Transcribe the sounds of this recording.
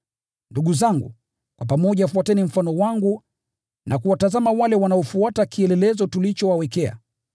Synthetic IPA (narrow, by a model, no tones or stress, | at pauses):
nduɠuzaŋɡṵ | kwapamɔʄafuatɛnim̩fanɔwaŋɡu | nʔakuwatazamawalɛwanaɔfuatakiɛlɛlɛzɔtulit͡ʃɔwawɛkɛa̰